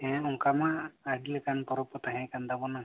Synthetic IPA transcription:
ɛ̃ɔŋkamaːɽilɛkanpɔɾɔpɔt̪aɦɛ̃kand̪abɔna

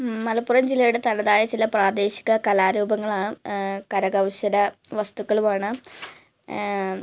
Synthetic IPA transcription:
mɐlɐpːurɐmd͡ʑilːɐjuɽet̪ɐnɐðaːjɐt͡ɕilɐpraːd̪e̞ːɕi̥ɣɐkɐlaːɾuːbɐŋːɐɭaːkɐɾɐɡɐʋɕɐɾɐʋɐst̪ukːɐɭumaːɳɨ

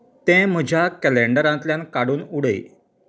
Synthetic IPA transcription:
t̪ɛ̃m̤əd͡ʑʱjakɛleɳɖəɾãnt̪ljãnkaɽuːnuɽəḭ

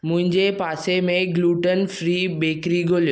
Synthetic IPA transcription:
mʊ̃ɦɪ̃ɲd͡ʑepaːsemẽɡluːʈənfɾiːbeːkɾiɡʱoːlijo

